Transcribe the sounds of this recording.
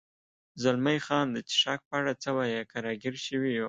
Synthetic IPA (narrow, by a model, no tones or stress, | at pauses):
zalmajχɑnd̪ət͡ʃi̥ʂɑk̚paaɽat͡sawajakʰaɾɑɡiɾʃəwi